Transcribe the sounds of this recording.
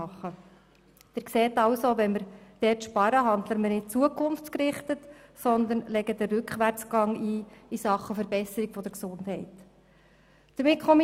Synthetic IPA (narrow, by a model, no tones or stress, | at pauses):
ɑχːə | d̥ɪːɾkseːtɑwsoʋɛnməɾd̥ɛtʃpɑɾəɦɑnd̪ləɾmənɪt̚t͡suəkχʊnft͡skɾɪχtətsɔnd̪ənlɛɡəd̥̪əɾʏkχʋæɾt͡sɡ̥ɑŋiːisɑχːəfəɾbɛsəɾiɡfɔd̥̪əɾksʊndhɦɛɪt | d̥əmɪkʰχɔmi